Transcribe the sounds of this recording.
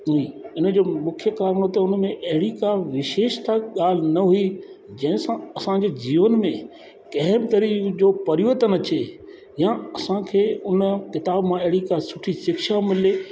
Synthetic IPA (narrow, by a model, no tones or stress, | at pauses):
uiɪnd͡ʑoːmʊkʰjəkaːɾəɽ̃ot̪ɐʊn̆mẽʔɐɦɪɽikaʋɪʃeːʃt̪ʰaɠaːl̤ɪnɐɦui | d͡ʑɐ̃ɦɪ̃sãɐsãd͡ʑeːd͡ʑiːʋənmẽ | kɐɦmt̪ɐɾiːkd͡ʑoːpɐɾiət̪ənɐt͡ɕe | jãɐsãkʰeːʊnkɪt̪aːbmãɐɦɪɽikasʊʈʰisɪkʃamɪleː